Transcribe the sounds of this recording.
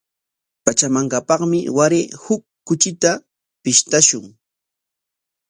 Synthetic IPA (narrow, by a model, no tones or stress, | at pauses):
pat͡ʃamaɴɢɑpɑχmɪwaɾɪhʊkːʊt͡ʃɪt̪a | pɪʃt̪aʃʊŋ